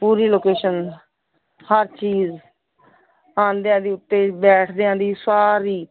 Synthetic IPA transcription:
puːɾiːloːkeːʃən | həɾt͡ʃiːz | ãːnd̪ejãːd̪iːʊt̪ːeːbɛːʈʰd̪eãːd̪iːsaːɾiː

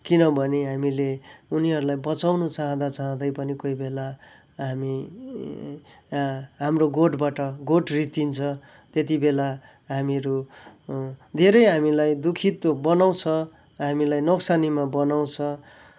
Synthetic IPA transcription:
kinʌbʱʌneɦamileuniɦʌɾulajbʌt͡sawnut͡saɦʌ̃d̪at͡saɦʌ̃d̪ʌjpʌnikoijbela | ɦami | ɦamroɡoʈbaʈʌɡoʈrit̪int͡sʰʌ | t̪et̪̬ibela | ɦamiɾu | d̪ʱeɾʌjɦamilajd̪ukʰit̪ːobʌnaw̃t͡sʰʌ | ɦamilajnʌksanimabʌnaw̃t͡sʰʌ

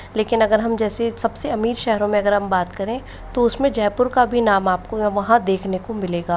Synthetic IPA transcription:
leːkɪnɐɡəɾɦɐmd͡ʒɛːsesɐbseɐmiːɾʃɛɦɾõmẽɐɡəɾɦɐmbaːt̪kɐɾẽ | t̪oʊsmẽd͡ʒɛːpʊɾkabʱinaːmaːp̚kojʋɐɦãd̪eːkʰnekomɪleːɡaː

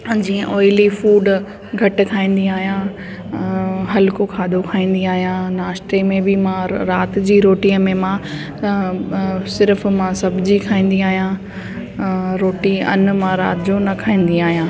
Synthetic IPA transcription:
d͡ʑĩːə̃ʔɔːɪlifuːɖ | ɡʱɐʈ̆kʰaːĩːn̆d̪iaːɦijã | ɦɐlkokʰaːd̪ʱokʰaːĩːn̆d̪iaːɦijãnaːsʈɾemẽbɪmãɾaːt̪̆d͡ʑiːɾoːʈiːmẽmã | sɪɾəfmãsɐbʱd͡ʑikʰaːĩːn̆d̪iaːɦijã | ɾoːʈiɐ̰nmãɾa̰ːt̪ɪd͡ʑonɐkʰaːĩːn̆d̪iaːɦijãː

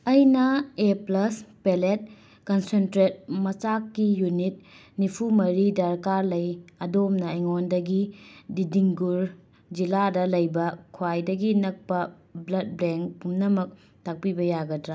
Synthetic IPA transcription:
ɐjnɐeplɐspelet̚ | kɐnsentɾet̚mɐt͡ʃakːijunit̚ | nipʰumɐɾidɐɾkaɾlɐjɐdomnɐeŋondɐɡididiŋɡuɾ | d͡ʒiladɐlɐjbɐkʰwajdɐɡinɐk̚pɐ | blɐd̚bɾeŋkpumnɐmɐk̚ | tʰak̚pibɐjaɡɐdɾa

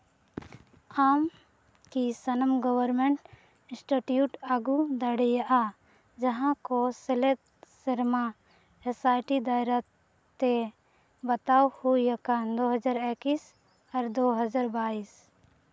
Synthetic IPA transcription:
aːm | kisənəmɡəwəɾmeɳʈ | sʈeʈijuːʈaɡud̪əɽɛjaʔa | d͡ʒəɦãkoselet̪səɾmã | esaːɪʈid̪aːɪɾa | t̪e | bət̪aːhujəkand̪oːɦəd͡ʒaːɾekis | əɾd̪oɦəd͡ʒaːɾbaːiːs

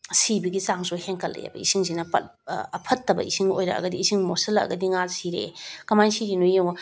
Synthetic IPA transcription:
sibiɡisaŋsuheŋkɐlːḛja̰bɐ̰isiŋzinɐpɐ̰ɐpʰɐtːɐbɐ̰isiŋo̰jɾɐ̰ɐ̰ɡɐdiːsiŋmosɐlɐɐ̰ɡɐdiŋalsiɾḛkɐmajnsid͡ʒinujew

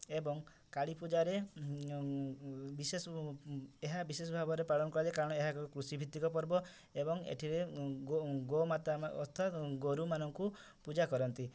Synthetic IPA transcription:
ebɔŋ | kaɭipud͡ʒaɾe | bisesɔ | eɦabisesɔbʱabɔɾepaɭɔnɔkɔɽad͡ʒekaɾɔɽ̃ɔeɦakɔkɾusibʱit̪ːikɔpɔɾbɔ | ebɔŋḛʈʰiɾeɡoɡomat̪amɔt̪ʰat̪ɡoɾumanɔŋku | pud͡ʒakɔɾɔnt̪i

